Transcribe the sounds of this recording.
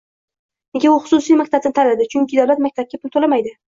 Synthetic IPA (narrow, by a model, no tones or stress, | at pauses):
neɡʲaʊχʊ̥sʊsijmak̚ʲt̪ʰabt̪nɪt̪ʰalad̪ɪt͡ʃʰʊŋʲkʲʰɪd̪awlat̪̚mak̚ʲt̪ʰab̚kʲapʰʊlt̪ʰolamajd̪ɪ